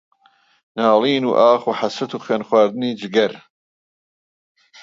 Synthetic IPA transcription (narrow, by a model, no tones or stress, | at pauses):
naːliːnṵːʔaːxuːħasɐt̪uːxweːnxwaːɾd̪ɨniːd͡ʒɪɡɐɾ